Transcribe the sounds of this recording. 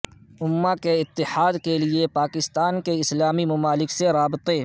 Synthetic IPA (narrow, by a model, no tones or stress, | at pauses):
ʊmːakeɪt̪ːɪħaːd̪keliepaːkɪst̪aːnkeɪslaːmimɐmaːlɪkseɾaːbɪt̪eː